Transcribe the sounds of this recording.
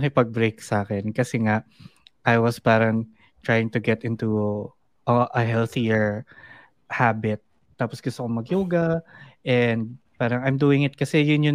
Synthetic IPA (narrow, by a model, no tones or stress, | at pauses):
kɪpɐɡ̚bɹejksaːkɛnkɐsɛŋaʔʔajwɐspaːɾɐŋ | t̪ɹajɪ̃ŋt̪ʊɡɛt̪ɪnt̪u | ʔɐʔɐɦɛlθiɛɹ | habɪt̪̚ː | aːposɡ̥ʊst̪okomɐɡjuːɡɐʔɛnd̪̚ | paːɾɐŋajmd̪uːɪŋɪt̪̚kɐsɛjʊnjʊ